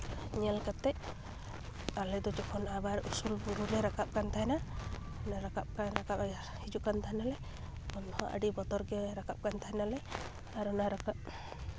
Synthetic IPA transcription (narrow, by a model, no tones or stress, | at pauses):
ɲɛlkat̪ːɛʔ | alɛd̪ɔd͡ʒɔkʰɔnabaɾṵsulbuɾulɛɾakap̚kant̪ʰaɛna | naɾakap̚kanɾakap | hid͡ʒukant̪ʰaɦɛnalɛ | ɔnhɔʔə̰ɖibɔt̪ɔɾɡɛɾakap̚kant̪ʰaɦɛnalɛ | aɾɔnaɾakap̚